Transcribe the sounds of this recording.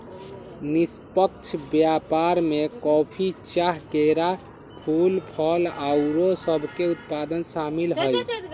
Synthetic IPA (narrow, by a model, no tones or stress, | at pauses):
nispəkt͡ʃʰbjapaɾmekɔpʰit͡ʃaɦkeɾa | pʰulpʰəlawɾosəbʱkeut̪̚pad̪ənsamilɦəj